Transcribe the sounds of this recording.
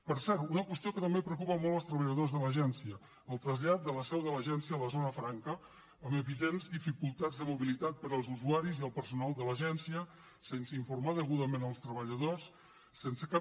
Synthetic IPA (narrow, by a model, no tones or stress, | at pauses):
pəɾsɛɾt̪unəkwəst̪iokət̪əmbepɾəukupəmɔlˠt̪əlˠst̪ɾəβəʎəðozðələʒɛnsiəː | lˠt̪ɾəzʎat̪̚d̪ələsɛwðələʒɛnsiələzonəfɾaŋkəː | məβiðenzd̪ifikulˠt̪ad͡zðəmuβilit̪at̪̚pəɾəlˠzuzuaɾiziəlˠpəɾsunalˠd̪ələʒɛnsiə | sensəiɱfuɾmaðəɣuðəmenəlˠst̪ɾəβəʎəðos | sensəka